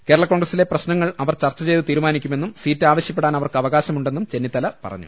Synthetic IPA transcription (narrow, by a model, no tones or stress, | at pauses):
keːɾɐɭɐkoːɳɡrɐsile̞prɐɕnɐŋːɐɭɐʋɐrt͡ɕɐrt͡ɕːɐt͡ɕe̞jt̪ɨt̪iːɾumaːnikʲːume̞nːumsiːtːɨaːʋɐɕjɐp̬ːeɽaːnɐʋɐrkɨɐʋɐɣaːɕɐmuɳɖenːumt͡ɕe̞nːit̪ːɐlɐpɐ̰rɐ̰ɲːṵ